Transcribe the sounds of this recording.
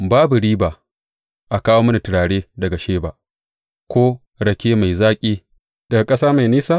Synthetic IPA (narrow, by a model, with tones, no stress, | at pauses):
baː˦bu˨ɽiː˦baː˨ | ʔa˨kaː˦woː˦mɐ˦na˨tɪ˨ɽaː˨ɽeː˦dɐ˨ɡa˨ʃeː˦ba˨ | kʷoː˦ | ɽɐ˨kʲeː˦ma˨jzaː˦kʲʼiː˦ | d̥ɐ˨ɡa˨kʼɐ˦saː˦ma˨jniː˦saː˦